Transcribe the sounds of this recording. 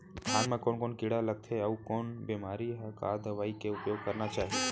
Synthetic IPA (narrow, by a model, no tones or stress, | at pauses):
t̪ʰaːnmẽkoːnkoːnkɪɽaləɡ̚t̪ʰeəukoːnbeːmaːɾiɦɛka̰ːd̪əʋaːikeʊpjoːɡ̚kəɾnat͡ʃaːɦe